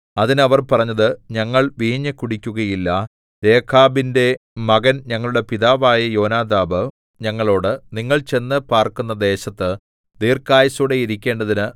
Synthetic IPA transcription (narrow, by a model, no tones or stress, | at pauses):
ɐðinɐʋɐrpɐrɐɲːɐðɨɲɐŋːɐɭʋiːɲːɐkuɽikʲːuɣɐjilːɐ | d̪e̞ːkʰaːbinde̞mɐɡɐnɲɐŋːɐɭuɽe̞piðaːʋaːjɐjo̞ːnaːd̪aːbɨ | ɲɐŋːɐɭo̞ːɽɨniŋːɐɭt͡ɕe̞nːɨpaːrkunːɐd̪e̞ːɕɐt̪ːɨ | d̪iːrkaːjɐsuɽe̞jiɾikʲːe̞ːɳɖɐðinɨ